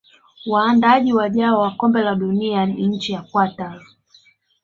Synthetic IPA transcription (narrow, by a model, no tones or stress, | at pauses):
waːndaaʄiwaʄaɔwakɔmbɛlaɗunianiɲ̩t͡ʃijakwata